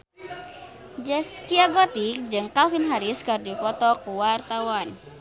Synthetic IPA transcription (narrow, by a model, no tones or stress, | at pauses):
d͡ʒɛskiaɡɔt̪ik̚d͡ʒɨŋkalfinɦaɾiskɨrdipɔt̪ɔkuwart̪awan